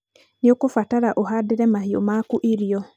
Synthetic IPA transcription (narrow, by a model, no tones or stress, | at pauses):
neokofataɾaʔoɦadeɾɛmaɦio̰maːkuʔiɾiɔ